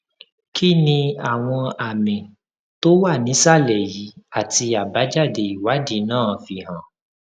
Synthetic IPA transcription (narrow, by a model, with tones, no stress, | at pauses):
kʰi˦nĩ˧a˨w̃ɔ̃˧a˨mĩ˨ | to˦wa˦˨nĩ˨˦sa˦˨lɛ˨ji˨˦a˦˨ti˧a˨ba˨˦d͡ʒa˦˨de˧i˨wa˨˦di˦nãː˦˨fi˧hã˨